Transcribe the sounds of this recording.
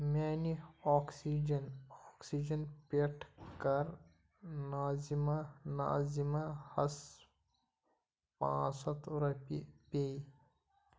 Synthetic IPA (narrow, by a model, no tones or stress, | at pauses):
maːniɔːksid͡ʒɐnɔːksid͡ʒɐnpeʈʰkɐɾ | naːzimana̰ːzimãhɐs | pã̰ːsɐt̪ʰɾɐpipei